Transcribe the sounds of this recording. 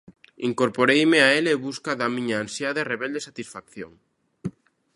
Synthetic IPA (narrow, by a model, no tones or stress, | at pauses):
iŋkoɾpoɾejmeaeleβuskaðamĩɲaːnsjaðereβeld̪esat̪isfakθjo̰ŋ